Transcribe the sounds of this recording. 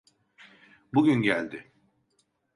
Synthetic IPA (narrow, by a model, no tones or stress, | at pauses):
buɟynɟælʲd̪ɪ